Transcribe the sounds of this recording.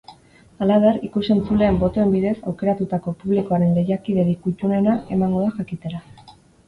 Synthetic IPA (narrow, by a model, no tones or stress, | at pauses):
alaβe̞rikuse̞nt͡sule̞ːmbo̞t̪o̞e̞mbiðe̞sawke̞ɾat̪ut̪ako̞puβ̞liko̞aɾe̞nle̞jakiðeðikut͡ʃune̞nae̞maŋɡo̞ðaxakit̪e̞ɾa